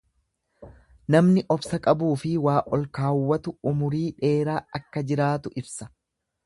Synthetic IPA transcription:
nɐmnɪʔɔbsɐkʼɐbuːfɪwaːʔɔlkaːwːɐt̪ʊʊmʊɾiːᶑe̞ːɾaːɐkːɐd͡ʒɪɾaːt̪ʊʔɪbsɐ̥

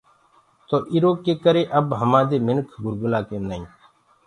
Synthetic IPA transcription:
t̪oːʔiɾoːkːeːkəɾeːʔəbɦəmãːd̪eːmɪnkʰɡʊɾɡʊlaːkẽːnəĩː

